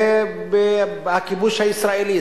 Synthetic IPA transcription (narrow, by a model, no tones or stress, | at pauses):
eakibuʃaisɾaili